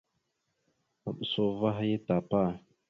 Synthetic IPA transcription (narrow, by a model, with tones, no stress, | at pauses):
a˨ɓə˨so˦va˦ɦa˦je˦ta˨pa˦˨